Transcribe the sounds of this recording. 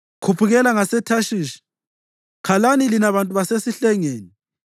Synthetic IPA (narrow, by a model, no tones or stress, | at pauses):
kʰupʰuɣɛlaŋasɛtʰaʃiːʃi̥ | kʰalanilinaβantʼuβasesiɬɛŋeːni